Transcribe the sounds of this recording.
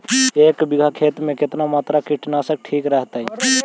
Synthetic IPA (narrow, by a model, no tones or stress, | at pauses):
eːkbɪɡʱakʰeːt̪mẽkɪt̪namaːt̪ɾakiʈnasək̚ʈʰiːkɾəɦt̪aɦi